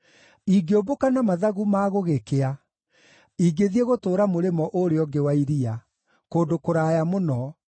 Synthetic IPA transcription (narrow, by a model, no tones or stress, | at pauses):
iɡeobokanamaðaɣumaːɣoɣekea | iɡeðieɣotoːɾamoɾemɔʔoɾeɔɡewaiɾia | koːndokoɾaːjamonɔ